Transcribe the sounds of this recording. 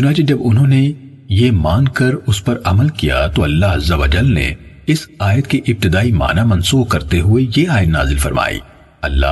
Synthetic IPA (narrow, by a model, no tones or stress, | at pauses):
t͡ʃʊnaːt͡ʃed͡ʒɐbʊnɦõːne | jemaːnkɐɾʊspɐɾɐməlkija̰t̪oɐlːaɦɐzːɐʋəd͡ʒəlnḛ | ɪsaːjət̪keʔɪp̚t̪ɪd̪aːima̰ːnamɐ̃nsuːbkɐɾt̪eɦʊejeaːjət̪na̰ːzɪlfɐɾma̰ːḭː | ɐlːa̰ː